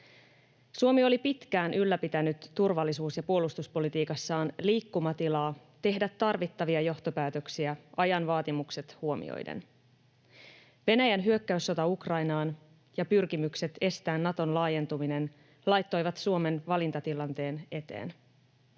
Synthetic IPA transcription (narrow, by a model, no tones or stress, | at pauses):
suo̞mio̞lipit̪k̟æːnʔylːæpit̪ænyt̪ːurʋɑlːisuːsjɑpuo̞lust̪uspo̞lit̪iːkɑsːɑːnliːkːumɑt̪ilɑː | t̪e̞ɦdæt̪ːɑrʋit̪ːɑʋiɑjo̞ht̪o̞pæːt̪ø̞ksiæɑjɑnʋɑːt̪imukse̞t̪huo̞mḭo̰jdḛn | ʋe̞næjænɦyøkːæysːo̞t̪ɑukrɑjnɑːn | jɑpyrkimykse̞t̪e̞st̪æːnːɑt̪o̞nlɑːje̞nt̪umine̞n | lɑjt̪ːo̞jʋɑt̪suo̞me̞nʋɑlint̪ɑt̪ilɑnt̪e̞ːne̞t̪e̞̰ːn